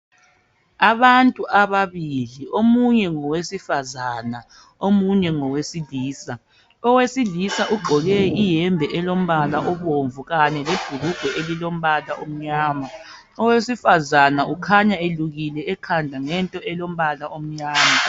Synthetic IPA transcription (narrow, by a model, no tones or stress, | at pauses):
aβantʼuʔaβaβiliomuɲɛŋɔwesifazana | omuɲɛŋɔwesiliːsa | ɔwesilisaʔuɡ͡ǃʱɔɣɛijɛmbʱɛʔɛlom̩βalaʔɔβoɱvuɣanɛleb̥ʱuluɡ̥ʱwɛʔelilom̩βalaʔom̩ɲaːma | ɔwesifazanaukʰaɲaeluɣilɛɛkʰandʱaŋɛntʼɔɛlom̩βalaom̩ɲaːma